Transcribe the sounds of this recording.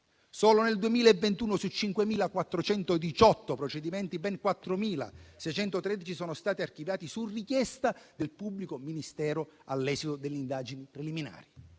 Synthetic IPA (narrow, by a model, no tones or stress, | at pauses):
sɔːloneld̪uemiːlaevːent̪uːnosut͡ʃːiŋkwemiːlakwat̪ːɾot͡ʃɛnt̪od̪it͡ʃɔt̪ːopɾot͡ʃɛd̪imɛnt̪ibɛŋkwat̪ːɾomiːla̰sɛjt͡ʃɛnt̪ot̪ɾɛd̪it͡ʃisɔːnost̪aːt̪iarkivjaːt̪isurːikjɛst̪ad̪elpubːlikominist̪ɛːɾoalːɛːsit̪od̪elːind̪aːd͡ʒinipɾelimina̰ːɾi